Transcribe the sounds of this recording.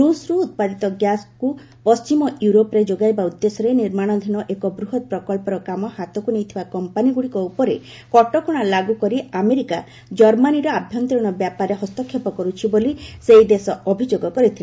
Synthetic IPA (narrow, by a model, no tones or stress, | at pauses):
ɾusɾuːt̪̚pad̪it̪ɔɡjasku | pɔst͡ʃimɔjuɾopɔɾed͡ʒoɡajbaud̪ːesɔɾeniɾmaɽ̃ɔd̪ʱinɔʔekɔbɾuɦɔt̪̚pɾɔkɔlpɔɾɔkamɔhat̪ɔkunejt̪ʰibakɔmpaniɡuɽikɔupɔɾe | kɔʈɔkuɽ̃alaɡukɔɾiameɾika | d͡ʒɔɾmaniɾɔabʱjɔnt̪iɾɔɽ̃ɔbjapaɾeɦɔst̪ɔkʰːjepɔkɔɾut͡ʃʰibolisejd̪esɔɔbʱid͡ʒoɡɔkɔɾit̪ʰilee